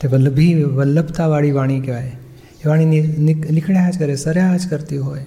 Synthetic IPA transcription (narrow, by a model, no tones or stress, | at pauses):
t̪eʋələbʱiʋəlːəbt̪aʋaɭiʋaɽ̃ikeʋaj | eʋaɽ̃ininilɪkʰɽjad͡ʒkəɾesəɾjad͡ʒkəɾt̪iɦoj